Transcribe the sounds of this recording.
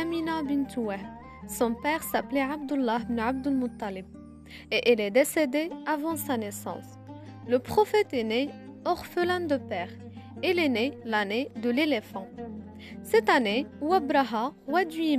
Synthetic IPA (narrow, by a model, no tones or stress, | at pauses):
minabənt̪wæh | sɔ̃pɛʁsaplɛʕab̚d̪ulːɑɦbnʕab̚d̪əlmʊt̪ˤːɑlɪb̚ | eʔilɛd̪esed̪eavɑ̃sanesɑ̰̃ːs | ləpχɔfɛt̪ɛneɔʁfəland̪əpɛːʁ | ilɛnelaned̪əlelefɑ̃ | sɛt̪anewæbɾaɦawad̪ɥi